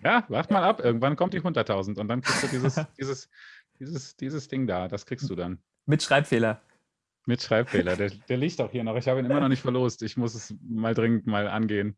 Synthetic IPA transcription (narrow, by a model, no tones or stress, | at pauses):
jaːvaχtmaːlapʔɪɐɡŋ̩tv̥ankʰɔmtd̥iːhʊndɐtʰːaʊzn̩tʊntd̥ankʁ̥iːkstd̥uːdiːzəsd̥iːzəsd̥iːzəsd̥iːzəsd̥ɪŋdaːd̥askʁ̥iːkstd̥uːdan | mɪtʃʁ̥aɪpfeːlɐ | mɪtʃʁ̥aɪpfeːlɐdeːɐd̥eːɐliːçtaʊxhiːɐnɔχɪçhaːbəiːnɪmɐnɔχnɪçtfɛɐloːstɪçmʊsɛsmaːldʁɪŋən̩tmaːlʔa̰nɡeːən